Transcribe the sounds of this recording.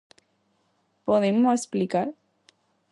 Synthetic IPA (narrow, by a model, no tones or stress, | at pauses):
poðemoesplikaɾ